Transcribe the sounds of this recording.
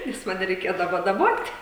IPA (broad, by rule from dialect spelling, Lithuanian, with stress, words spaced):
nʲɛs ˈmɑːnʲɛ rʲɛɪˈkʲeːdɐʋoː dɐˈboːtʲ